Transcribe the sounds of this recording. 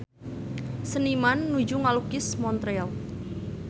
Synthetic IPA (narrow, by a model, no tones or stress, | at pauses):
sənimanːud͡ʒuŋalukɪsmɔnt̪ɾel